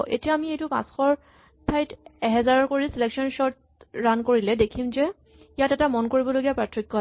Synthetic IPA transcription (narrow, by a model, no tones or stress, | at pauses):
ʔḛtijaːmiejtʊpã̰sxɔɹ | tʰajtɛɦɛzaɹɔkoɹisileksɔnsɔɹt | ɹankoɹilɛdekʰimzɛ | ijatɛtamɔnkoɹibɔloɡijapɹatʰɹikːɔ